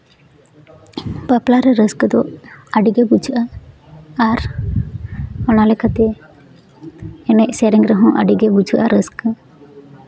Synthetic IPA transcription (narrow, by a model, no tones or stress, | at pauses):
paplaɾɛɾəskd̪ɔaɖiɡɛbud͡ʒʔa | aɾ | ɔnalɛkʰat̪ɛ | ɛmɛʔsɛɾiŋɡɾəɦɔ̃ʔa̰ɖiɡɛbud͡ʒʱuʔaɾəsk